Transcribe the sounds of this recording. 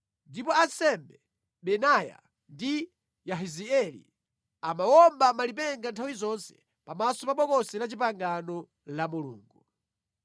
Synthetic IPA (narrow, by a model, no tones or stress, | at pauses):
ndipɔansɛmbɛ | ɓɛnaja̰ | ndi | jaɦiziɛlḭ | amawɔmbamalip̬ɛŋɡantʰawizɔnsɛ̥ | pamasɔpaɓɔkɔsɛlat͡ʃip̬aŋɡanɔ | lamulṵːŋɡu